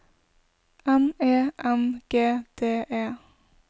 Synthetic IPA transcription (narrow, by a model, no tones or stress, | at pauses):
ɛmeːʔɛmɡ̥eːd̪̥eːʔeː